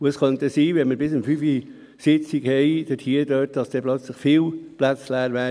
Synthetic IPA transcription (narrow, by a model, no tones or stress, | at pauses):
uəskœntəsiːvɛnməɾbɪsəmfyfi | sɪt͡siɡhɛɪd̥ətʰhiːədøːt̚d̥ɑsd̥ɛːplœt͡sləχfiːlplæt͡slæːɾʋɛ